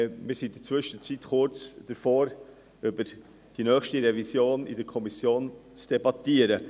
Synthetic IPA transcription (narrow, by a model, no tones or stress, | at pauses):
mɪːɾsidət͡svʏʃət͡sitχʊɾt͡sd̥əɾfoːɾ | ʏbəɾ | d̥inœːχʃtiɾɛvisjoːnḭdəɾkʰɔmisjoːnt͡sd̥ɛbɑtiːəɾə